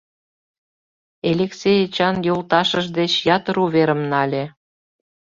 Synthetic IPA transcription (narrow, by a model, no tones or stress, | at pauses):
elʲeksʲejet͡ɕɑnjolt̪ɑʃəʒd̪et͡ɕjɑt̪əɾuβeɾəmnɑlʲe